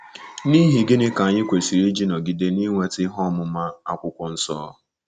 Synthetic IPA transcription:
ni˦ɦi˨ɡɪ˦nɪ˦ka˨ɲɪ˦kʷe˨si˨ɾi˦d͡ʒi˦no˨ɡi˨de˦ni˦ŋʷe˦tɪ˦ɦɔ˦˨mʊ˨ma˦a˦kʷʊ˦kʷɔ˨n̩˦sɔ̰ː˦

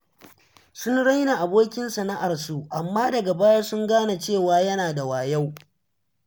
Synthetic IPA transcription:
sʊ˦nɽa˦jna˨ʔa˨boː˦kʲɪ˦nsɐ˨na˦ʔa˨rsu˨ʔa˨mːaː˦dɐ˨ɡa˨baː˦ja˦sʊ˦ŋɡaː˦na˨t͡ʃeː˦˨waː˨jɐ˦naː˨da˨waː˨ja˦w

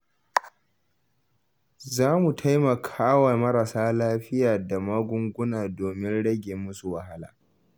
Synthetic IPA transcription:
zaː˦mu˨tʰa˦jmɐ˨kʰaː˦wa˨mɐ˦ɾa˨saː˦laː˦ɸɪ˦jaː˨da˨mɐ˦ɡʷʊ˦ŋɡʷʊ˦naː˨doː˨mɪ˦nɽɐ˦ɡʲe˨mːʊ˦su˨wɐ˨ha˦la̰ː˨

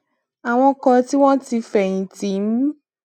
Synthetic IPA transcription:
a˨w̃ɔ̃˧kɔ˧ti˦w̃ɔ̃˦ti˧fɛ˨jĩ˨ti˨˦m̩˦

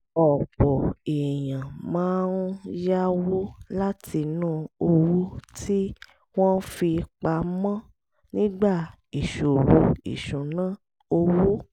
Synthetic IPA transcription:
ɔ˨k͡pɔ˨e˨jã˨mãː˨˦ɾũ˦ja˦wo˦la˦ti˧nũː˦o˧wu˦ti˦ | w̃ɔ̃˦fi˧k͡pa˧mã˦ | nĩ˦ɡ͡ba˦˨ | i˨ʃo˨wo˧ḭ˨ʃũ˨nã˦ | o˧wu˦

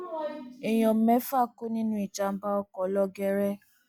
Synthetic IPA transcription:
ɛ˨j̃ɔ̃˨˦mɛ̃˨˦fa˦˨ko˦nĩ˦nũ˦i˦˨t͡ʃa˧m̩˦ba˦ɔ˦kɔ˨˦lɔ˦ɡɛ˧˦ɾɛ˦

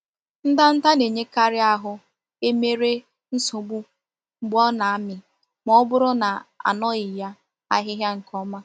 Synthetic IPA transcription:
n̩˦da˦n̩˦ta˦ne˨ɲe˦ka˦ɾɪ˦a˨ɦʊ˦ | e˦me˦ɾe˦ | n̩˦sʊ˨ɡ͡bu˦ | ŋ͡m̩˦ɡ͡bɔ˦na˨a˦mɪ˨ | m˦ɔ˦bʊ˦ɾʊ˦na˨a̰˨nɔ˦ɪ˨ja˦ | a̰˦ɦɪ˦ɦja˦ŋ̩˨kʰɔ˦ma˦

